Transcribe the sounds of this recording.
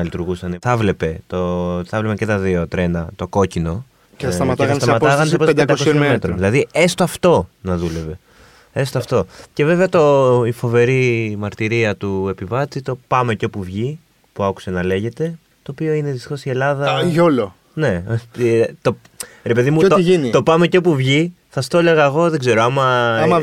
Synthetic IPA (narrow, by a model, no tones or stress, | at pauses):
ɐlit̪uɾɣusɐnθɐvle̞pe̞t̪oθɐvle̞pecet̪ɐðio̞t̪ɾe̞nɐt̪o̞ko̞cino̞ | sɐɐt̪est̪ɐmɐt̪ɐɣɐnsɐpop̪d̪eɐd̪kmet̪ɾoðilɐðie̞st̪oɐft̪o̞nɐðule̞ve̞ | e̞st̪oɐft̪o̞ce̞ve̞veɐt̪o̞ifo̞ve̞ɾimɐɾt̪iɾiɐt̪ue̞pivɐt͡sit̪o̞pɐme̞ceo̞puvʝi | puɐku̥se̞nɐle̞ʝe̞t̪e̞ | t̪o̞ːpio̞ineðist̪i̥xo̞sie̞lɐðɐʝolo | ne̞ | t̪o | ɾe̞pe̞ðimutiinit̪o̞pɐme̞copuvʝi | θɐst̪o̞le̞ɣɐeɣo̞ðe̞ɡze̞ɾoɐmɐ